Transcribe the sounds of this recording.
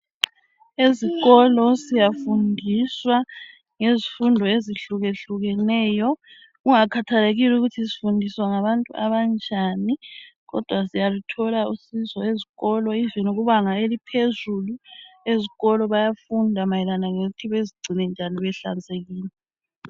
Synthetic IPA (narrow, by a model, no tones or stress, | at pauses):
eziɣɔlɔsijafundʱiswa | ŋezifundʱɔeziɬuɣeɬuɣɛnɛːjɔ | ɣuŋakʰatʰaleɣiluɣutʰisi̥fundʱiswaŋaβantʼṵa̰βant͡ʃʼaniɣɔ̰d̥ʱwasijalutʰɔlausizɔeziɣɔlɔivinuɣuβaŋaelipʰezulueziɣɔlɔβajafundʱamajɛlanaŋeɣutʰiβeziɡ͡ǀʱinɛnd͡ʒʱaniβɛɬa̰nd͡zʱʼeɣiːlɛ